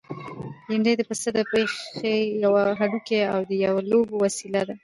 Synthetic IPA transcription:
jɪɳd̪ajd̪əpasəd̪əpeejawaɦaɽukeawd̪əjawalobowasilad̪a

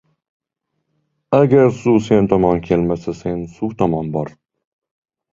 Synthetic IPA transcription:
aɡʲaɾsuse̞nt̪ʰɒmɒnkʲʰe̞lmasase̞nsut̪ʰɒmɒnbɒɾ

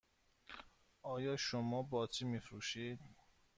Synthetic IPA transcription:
ʔɒːjɒːʃomɒːbɒːt͡ʃʰimifɾuːʃiːd̪

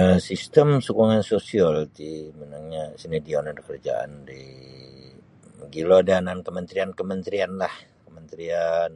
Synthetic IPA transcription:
əsist̪əmsukuŋansosialt̪imənaŋɲasinedionadəkəɾad͡ʒa̰ʔa̰ndi | əɡilodanankəmənt̪ɾiankəmənt̪ɾianlahkəmənt̪ɾian

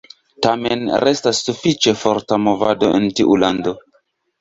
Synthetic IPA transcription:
tamḛnɾʔe̞stasːufit͡ʃe̞foɾtamo̞va̰do̞ḛntiʔulando̞

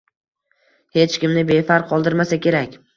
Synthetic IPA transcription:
he̞t͡ʃkʲɪmnɪbe̞faɾqʰɒlˠd̪ɪɾmasakʲe̞ɾakʲ

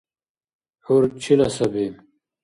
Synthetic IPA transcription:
huɾt͡ɕʰilɐsɐbi

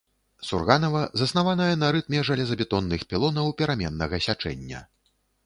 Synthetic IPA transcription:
surɣanɐvɐzɐsnavanɐjɐnɐɾɨt̪mʲɛʐɐlʲɛzɐbʲɛt̪ɔnːɨxpʲilˠɔnɐwpʲɛɾamʲɛnːɐɣɐsʲat͡ʂɛ̰nʲːɐ̰

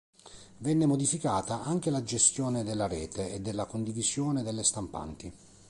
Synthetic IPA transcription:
vɛnːemod̪ifikaːt̪aʔaŋk̟elad͡ʒest̪jɔːned̪elːaɾɛːt̪eed̪ːelːakond̪ivizjɔːned̪elːest̪ampa̰nt̪i

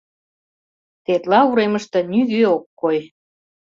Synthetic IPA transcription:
t̪et̪lɑuɾeməʃt̪ɤ̆nyɣøokːoj

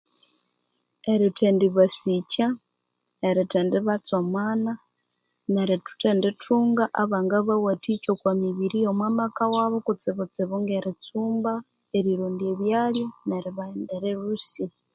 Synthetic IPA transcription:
eɾitʰendiβasica | eɾitendiβat͡somwaːna | neɾitu̥tenditʰuːŋɡaʔaβaŋɡaβawatit͡ʃokwamiβiɾijomwaːmakawaβokut͡sɪβut͡siβuŋɡeɾit͡suːmba | eɾiɾuːndieβjaːljoneɾiβaindeɾeɾusi

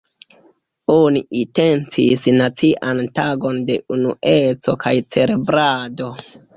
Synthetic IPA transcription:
oniʔite̞nt͡sisnat͡siʔantaɡo̞nde̞ʔunṵʔe̞t͡so̞̰kajt͡se̞ɾe̞bɾado̞

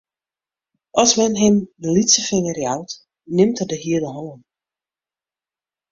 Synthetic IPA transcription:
ʔɔsmɛnɦɪmdəlitsəfɪŋərjawt | nɪmtədəɦiədəɦɔnən

